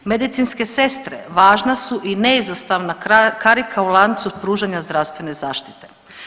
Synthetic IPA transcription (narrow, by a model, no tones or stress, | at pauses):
me̞d̪it̪sinske̞se̞st̪ɾḛʋaːʒnasuʔineizost̪aʋnakaɾikʰaulˠaːd̪nt̪supɾuːʒaɲazd̪ɾast̪ʋe̞ne̞zaːʃt̪i̥t̪e̞̥